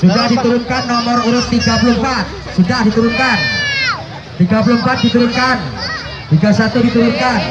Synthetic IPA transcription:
sudadit̪uɾʊnkanːɔmɔriɾʊt̪ːiɡa̤pulʊhmpat̪̚ | sudaʔdit̪uɾʊnkan | t̪iɡ̥a̤p̬ulʊhmpat̪̚d̥it̪uɾʊnkan | t̪iɡa̤sat̪udit̪uɾʊnkan

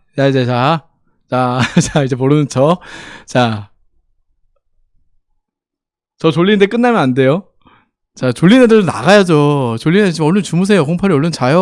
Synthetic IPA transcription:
jad͡ʑat͡ɕa | t͡ɕat͡ɕaid͡ʑe̞moɾɯnɯnt͡ɕʰʌt͡ɕa | t͡ɕʌt͡ɕoʎːinnde̞k͈ɯnːamjʌnande̞jo | t͡ɕat͡ɕoʎːinedɯdona̰ɡajad͡ʑot͡ɕoɭːinet͡ɕimʌɭːont͡ɕumus̬ʰe̞jokʰoŋpʰaɾiʌɭːʌnt͡ɕajo

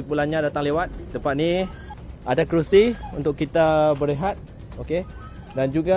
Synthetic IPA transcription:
ipulanɲãdat̪aŋlewat̪̚ːəmpat̪̚ni | adakɾusiunt̪ʊkːit̪abəɾeɦat̪̚ | oke | dand͡ʒuɡa

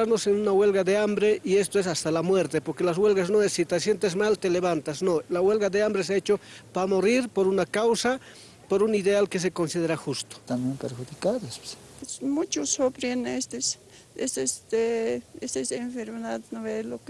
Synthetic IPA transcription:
aɾnosenunawe̞lɣaðeambɾeʔie̞s̬t̪oes̬ast̪alamwe̞ɾt̪e̞poɾke̞lazɣwe̞lɣasnoesːit̪esje̞nt̪ezmalt̪ele̞βant̪asnolawe̞lɣaðeambɾes̬eaet͡ʃopamoriɾpoɾunakawsa | poɾuniðealkes̬e̞ko̞nsiðe̞ɾaxust̪o̥t̪ambjempeɾxuðikaðesps | pesmut͡ʃosopɾenest̪es | esest̪eest̪eseɱfeɾmeðaðnoβelok

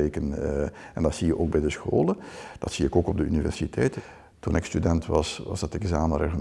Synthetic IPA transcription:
eːkənɛndɑtsijəʔoːɡ̚bɛjdəsxoːləd̥ɑtsiɪkoːkɔb̚dəynivɛ̰rsitʰɛjt | tunɪkstydɛntʋɑsʋɑ̰zdɑtɪkzaːməreɣlə

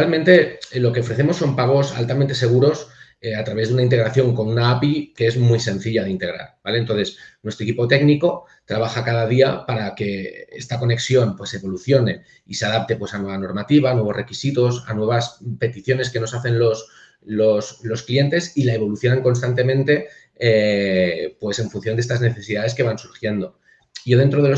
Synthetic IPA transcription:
almẽ̞nt̪e̞lo̞ke̞ofɾe̞θe̞mo̞sːo̞mpaɣ̞o̞sa̰lt̪amẽnt̪e̞se̞ɣ̞uɾo̞s | eat̪ɾaβe̞zðunaint̪eɾaθjo̞ŋko̞nunaapikeezmwuijse̞nθiʎaðint̪e̞ɣ̞ɾa̰ɾbale̞ent̪o̞nθe̞snwe̞st̪oekipo̞t̪e̞ɡniko̞ | t̪ɾaβ̞axakaðað̞iapaɾake̞e̞̰st̪ako̞ne̞ksjo̞npwe̞seβo̞luθjo̞ne̞ | ise̞aðap̚t̪e̞pwe̞sanwe̞βano̞ɾmat̪iβ̞anwe̞β̞o̞re̞kisit̪o̞sa̰nwe̞βaspe̞t̪iθjo̞ne̞ske̞no̞saθe̞nlo̞s | lo̞slo̞sklie̞nt̪e̞silae̞βo̞luθjo̞naŋko̞nst̪ant̪e̞mẽnt̪e̞ | e | pwe̞se̞ɱfunθjo̞nd̪est̪azne̞θe̞siðaðe̞ske̞β̞ansuɾxje̞nd̪o̞ | ʝo̞ðe̞nt̪ɾo̞ð̞eo

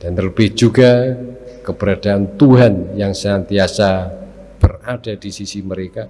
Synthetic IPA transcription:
d̥anələbɪhd͡ʒuɡakəb̥əɾadaːnt̪uɦanjaŋsənant̪iasa | b̥ərad̥ad̥isisiməɾeka

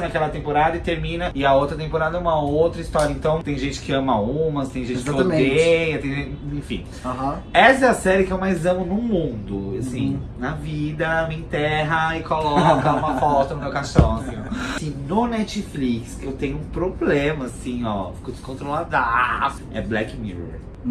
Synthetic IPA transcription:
nakɛlɐt̪ẽpoɾad̪ɐɪt̪eɾmĩnɐɪɐowt̪ɾɐt̪ẽmpoɾad̪ɐũmɐowt̪ɾɐist̪ɔɾjɐẽt̪ɐ̃w̃t̪ẽj̃ʒẽnt͡ʃɪ̥kɪɐ̃mɐũmɐst̪ẽj̃ʒẽnt͡ʃɪkaomejɐt̪ẽj̃ẽfḭ̃ | aɦɐ̃ɛsɛɐsɛɾɪkɪewmajzɐ̃mʊnʊmũd̪ʊasĩnɐvid̪ɐmĩt̪ɛɦɐɪkolɔkɐũmɐfɔt̪ʊnʊmewkaʃɔ̃ksĩnʊnɛt͡ʃɪflikskɪewt̪ẽɲʊũpɾoblẽmɐasĩɔ̰fi̥kʊd͡ʒɪskõt̪ɾolad̪af | ɛ̰blɛkmḭɾ̰

